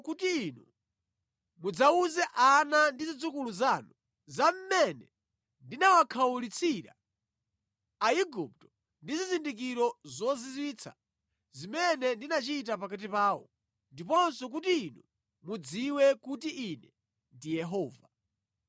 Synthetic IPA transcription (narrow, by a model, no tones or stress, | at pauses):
kutiːnu | mud͡zauzɛʔanandizid͡zukuluzanu | zam̩mɛnɛ | ndinawakʰawulit͡sʰiɾa̰ | iɡup̚tɔ̥ | ndizizindik̬iɾɔzɔzizwiːt͡sʰa̰ | zimɛnɛndinat͡ʃit̬ap̬akat̬ipaːwɔ̰ | ndipɔnsɔk̬utiːnu | mud͡ziwɛkutiʔinɛ | ndijɛɦɔːva